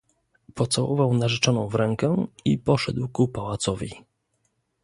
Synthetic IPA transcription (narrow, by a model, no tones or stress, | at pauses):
pɔt̪sawɔvawnaʐɛt͡ʂɔnɔ̃w̃vɾɛŋkɛipɔʂɛd̪wkupawat̪sɔvʲḭ